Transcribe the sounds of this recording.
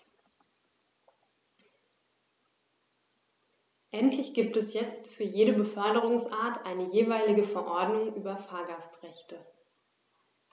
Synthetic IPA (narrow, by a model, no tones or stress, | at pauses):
ʔɛntʰlɪçɡ̥iːptɛsjɛt͡stfyːɐjeːɾəbəfœɐdəʁ̞ʊŋsʔaːɐtʰʔaɪnəjeːvaɪlɪɡəfɛɐʔɔɐdnʊŋʔyːbɐfaːɐɡastʁɛçtʰə